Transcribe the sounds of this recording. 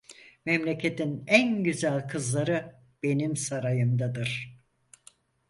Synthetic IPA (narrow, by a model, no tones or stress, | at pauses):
mɛmlʲecʰet̪ʰinænɟyzælʲkʰɯzlˠaɾɯ | b̥e̞nimsaɾajɯmd̪ad̪ɯɾ̥